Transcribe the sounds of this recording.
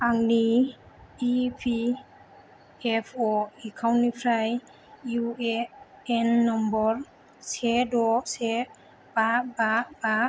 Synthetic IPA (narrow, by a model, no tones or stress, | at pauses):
aŋni | ipʰi | ɛpʰɔikʰawnipʰɾaj | jue | ɛnːɔmbɔɾ | sedɔse | bababa